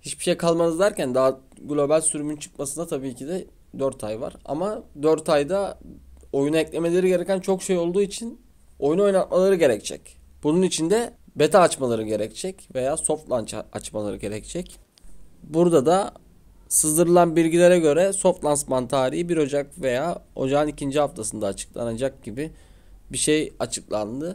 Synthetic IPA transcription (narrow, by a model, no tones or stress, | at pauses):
hit͡ʃbi̥ʃejkʰalˠmanɯzd̪æɾcænd̪aɦa | ɡlʲo̞balʲsyɾymynt͡ʃʰɯ̥k̚masɯnd̪at̪ʰabiːcʰid̪ɛ | d̪øɾt̪ʰajva̰ɾa̰mad̪øɾt̪ʰajd̪a | o̞junaɛclʲe̞me̞lʲe̞ɾiɟe̞ɾecʰænt͡ʃʰo̞kʃe̞jo̞lˠd̪uːit͡ʃʰin | o̞juno̞jnat̪malˠaɾɯɟe̞ɾɛc̚t͡ʃʰɛ̰c | b̥ununit͡ʃʰind̪ɛbe̞t̪ʰaːt͡ʃmalˠaɾɯɟe̞ɾɛct͡ʃʰɛcve̞jaːso̞ft̪lˠant͡ʃaa̰t͡ʃmalˠaɾɯɟe̞ɾɛct͡ʃʰɛc | buɾd̪ad̪a | sɯzd̪ɯɾɯlˠanbilʲɟilʲeɾɛɟø̞ɾɛso̞ft̪lˠansmant̪ʰaːɾihibiɾo̞d͡ʒakve̞jaːo̞̰d͡ʒaɯnicʰind͡ʒiɦaft̪ʰasɯnd̪aːt͡ʃʰɯ̥k̚lˠa̰nad͡ʒak̚ɟibi | biʃejat͡ʃʰɯklˠa̰nd̪ɯ